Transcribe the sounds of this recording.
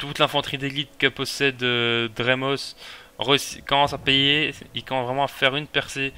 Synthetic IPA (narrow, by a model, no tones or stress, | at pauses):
t̪ut̪lɛ̃fɑ̃t̪χid̪eɡʲid̪kəpɔsɛd̪ød̪ʁemɔs | ʁəsikɔmɑ̃sapejeilkɔmɑ̃svʁɛmɑ̃afɛʁynpɛʁse